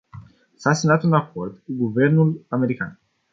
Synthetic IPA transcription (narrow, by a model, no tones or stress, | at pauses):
sasemnat̪unako̞rd̪kuɡuve̞rnulame̞ɾika̰n